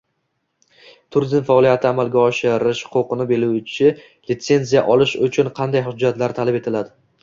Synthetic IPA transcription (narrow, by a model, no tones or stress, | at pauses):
t̪ʰʊɾizmfaɒlijat̪ʰɪamalɡʲaɒʃɪɾɪʃqʰoqɨnɪbe̞luwt͡ʃʰɪ | lɪt̪se̞nzijaʔɒlɪʃʊt͡ʃʰʊnqʰɑnd̪ajɦʊd͡ʒːat̪laɾt̪ʰalape̞t̪ʰɪlad̪ɪ